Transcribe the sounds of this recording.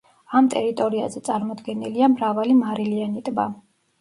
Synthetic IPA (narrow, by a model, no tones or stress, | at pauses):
amt̪ʼɛɾit̪ʼɔɾia̰zɛt̪sʼaɾmɔd̪ɡɛniliamɾavalimaɾilianit̪ʼba